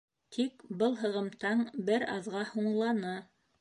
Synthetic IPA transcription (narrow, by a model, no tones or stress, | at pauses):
t̪ʰikbɤlˠɦɤ̆ʁɤ̆mt̪ɑɴbɘɾɑðʁɑhuɴlˠɑnɤ